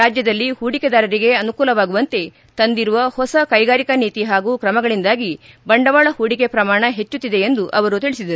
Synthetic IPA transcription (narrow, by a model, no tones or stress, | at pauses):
aːd͡ʒjɐd̪ɐlːihuːɽiked̪aːɾɐɾiɡe̞ɐnukuːlɐʋaːɡuʋɐnt̪e̞ | t̪ɐnd̪iɾuʋɐhɔsɐkɐjɡaːɾikɐniːt̪iɦaːɡuːkɾɐmɐɡɐɭind̪aːɡi | bɐɳɖɐʋaːɭɐhuːɽike̞pɾɐmaːɳɐɦet͡ʃːut̪ːid̪e̞ːnd̪uʔɐʋɐɾut̪iɭisid̪ɐɾuu